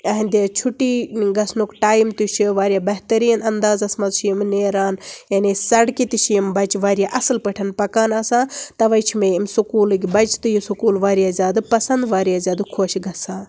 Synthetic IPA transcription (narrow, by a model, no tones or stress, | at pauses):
ɐɦĩnʲd̪et͡ʃʰuʈiːɡɐsnukʈaːjmt̪ut͡ʃʰiʋaːɾʲijaːbɐɦt̪ɐɾiːnɐnd̪aːzɐsmɐzt͡ʃʰijimneːɾaːnjɐnisɐɽkit̪it͡ʃʰijimbɐt͡ʃʋaːɾijaʔɐsɨlpɐʈʰɐnpɐkaːnaːsãːt̪ɐʋɐjt͡ʃʰimeimsukuːlɨɡʲibɐt͡ʃʰt̪ɨjisukuːlʋaːɾijaːzʲaːd̪ɨpɐsɐnd̪ʋaːɾjaːzʲaːd̪kʰoːʃɡɐsãː